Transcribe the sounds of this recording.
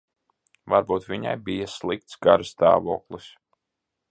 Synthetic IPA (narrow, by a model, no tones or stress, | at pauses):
vaɾbuːt̪vʲiɲa̰jbijaslˠik̚t̪sɡaɾst̪a̰ːvuːklˠis